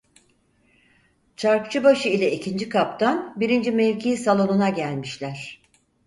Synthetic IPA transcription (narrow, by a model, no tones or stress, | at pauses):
t͡ʃʰaɾkt͡ʃʰɯbaʃɯilʲɛicʰind͡ʒikʰapt̪ʰanbiɾind͡ʒimelʲcʰiːsalˠo̞nunaɟælʲmiʃlʲæɾ̥